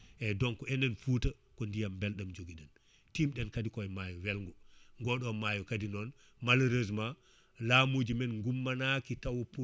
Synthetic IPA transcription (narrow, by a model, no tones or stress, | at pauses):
ʔɛdɔŋkɔɛnɛnfuta | kɔndijambɛlɗamd͡ʒoɡidɛn | timɗɛnkadikɔɛmajɔwɛlŋɡɔŋɡɔɗɔmajɔkadinɔn | malɾezma | lamud͡ʒimɛnŋɡumːanakitawpu